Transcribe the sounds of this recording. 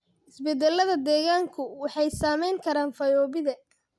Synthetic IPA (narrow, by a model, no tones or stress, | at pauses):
ʔɪsbɛd̪ɛlːɐðɐd̪ɛːɣaːŋkʰʊwɑħɑjsaːmɛjŋkʰɐɾaːnfɐjɔːβɪðɐ